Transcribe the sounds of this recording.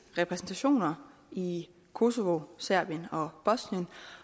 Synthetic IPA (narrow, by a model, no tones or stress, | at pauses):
ʁɛpʰʁɛsn̩t͡sʰæɕo̝̰ːnɐ | i | kʰo̝so̝ʋosæɐ̰b̥ijənɒ̽b̥ɒ̽snijən